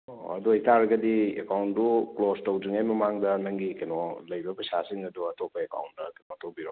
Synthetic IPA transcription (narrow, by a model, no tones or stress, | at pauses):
ɐ̰duhitaɾɐɡɐdiekawntuklostowziŋajmɐmaŋdɐnɐŋɡikɐnɔlɐjbɐpɾɐsasiŋɐduɐtopʰːɐeka̰wntɐkɐjnɔɐtopiɾo